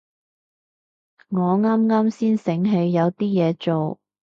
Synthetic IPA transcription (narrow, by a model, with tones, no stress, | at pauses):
ŋɔː˨˧ŋaː˥mŋaː˥msiː˥nsɪ˨˥ŋɦe˨˧jːɐ˨˧wt̪iː˥jɛː˨˧t͡ʃo˨w